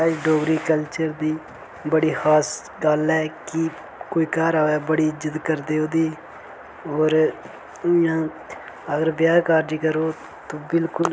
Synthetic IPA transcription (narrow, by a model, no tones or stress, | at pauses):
aːd͡ʒɖoːɡɾiːkəlt͡ʃəɾd̪iː | bəɽiːxaːs | ɡalɛːki | koːiːkaːɾaːɛːbəɽiːd͡ʒɪd̪kəɾd̪eːoːd̪iː | oːɾ | ãː | əɡəɾbjaːkaːɾd͡ʒiːkəɾoː | t̪oːbɪlkʊl